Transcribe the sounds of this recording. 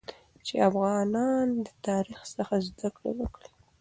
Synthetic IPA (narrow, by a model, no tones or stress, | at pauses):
t͡ʃeafɣɑnɑnd̪ət̪ɑɾixsəxazd̪akɽḛwəkɽi